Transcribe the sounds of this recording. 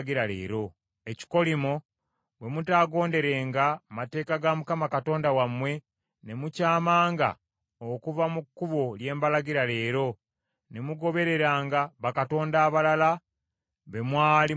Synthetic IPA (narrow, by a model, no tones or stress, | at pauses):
ɡiɾalḛːɾo̞ | e̞ci̥ko̞limo | βwe̞mutaːɡo̞ːnde̞ɾe̞ːŋɡamate̞ːkaɡamukamakato̞ːndawamwe̞ | ne̞mucaːmaːŋɡa̰ | okuvamukːuβo̞lje̞ːmbalaɡiɾale̞ːɾo̞ | ne̞muɡo̞βe̞ɾe̞ɾaːŋɡaβakato̞ːndaːβalala | βe̞mwaːli